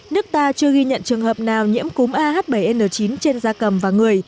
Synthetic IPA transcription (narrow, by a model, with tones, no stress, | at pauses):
nɨ˦˥ək̚t̪aː˧t͡ɕɨ˧əɣi˧ɲə̰˧˨nt͡ɕɨ˨˩əŋhəː˨˩p̚naː˨˩wɲḭ˧˥əmku˨˦mʔaː˧ɦaː˦˥t̚ɓə˧˩jʔe˧nəː˧˩t͡ɕi˨˦nt͡ɕe˧nzaː˧kə˨˩mvaː˨˩ŋɨ˨˩əj